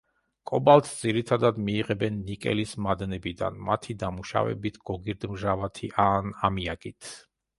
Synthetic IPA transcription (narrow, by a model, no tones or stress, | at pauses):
kʼɔbalˠt̪ʰd̪ziɾit̪ʰad̪ad̪miːʁɛbɛnːikʼɛ̰lismad̪nɛbid̪a̰nmat̪ʰid̪amuʃa̰vɛ̰bit̪ʰɡ̥ɔɡiɾd̪mʒavat̪ʰiʔanamiakʼit̪ʰ